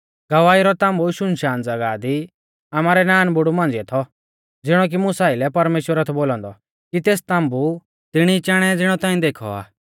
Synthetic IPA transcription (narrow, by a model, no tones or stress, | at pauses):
ɡɐʋaːiɾɔt̪ãːmbuʃʊnʃaːnd͡zɐɡaːd̪i | aːmaːɾɛnaːnbʊɽumãːnd͡zɪɛt̪ʰɔ | d͡zɪɽ̃ɔk̬imʊsaːɪlɛpɐɾmeːʃwəɾɐt̪ʰɛboːlɔ̃nd̪ɔ | kit̪eːst̪ãːmbu | t̪ɪɽ̃it͡ʃaːɽ̃ɛd͡zɪɽ̃ɔt̪ãːĩd̪eːkʰɔ̰a̰ː